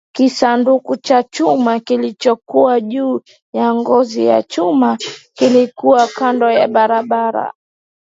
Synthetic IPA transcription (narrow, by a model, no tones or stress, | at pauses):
kisandukut͡ʃat͡ʃumakilit͡ʃɔkuwaʄuː | jaŋɡɔzija̰t͡ʃumakilikuwakandɔjaɓaɾaɓaɾa̰